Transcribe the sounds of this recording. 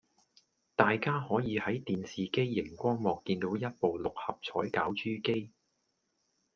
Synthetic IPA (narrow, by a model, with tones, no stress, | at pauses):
t̪aː˨jkaː˥hɔː˨˥jiː˨˧hɐ˨˥jt̪iː˨nsiː˨ke˥jːɪ˨˩ŋkʷɔː˥ŋmɔː˨kːiː˧nt̪o˨˥wjɐ˥t̚po˨wlʊ˨k̚hɐ˨p̚t͡sʰɔː˨˥jkaː˨˥wt͡ʃyː˥ke˥j